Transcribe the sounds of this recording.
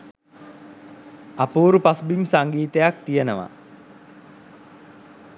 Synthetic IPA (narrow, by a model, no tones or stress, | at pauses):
apuːɾupasbimsaŋɡiːt̪əjak̚t̪ijənəʋa̰